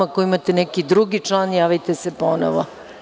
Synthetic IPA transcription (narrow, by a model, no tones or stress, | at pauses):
akojiimat̪enɛkid̪ɾuɡit͡ʂlˠaːnjaːʋit̪esepono̰ʋo̰